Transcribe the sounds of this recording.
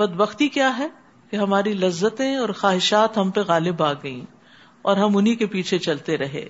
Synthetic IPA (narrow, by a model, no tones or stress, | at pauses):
bɐd̪bɐxt̪ikjaːɦɛ | keɦɐmaːɾilɐzːət̪ẽɔːɾxaːɦɪʃaːt̪ɦɐmpeɣaːlɪbaːɡɐḭ̃ː | ɔːɾɦɐmʊnɦikepiːt͡ʃʰet͡ʃɐlt̪eɾɐɦḛ̃ː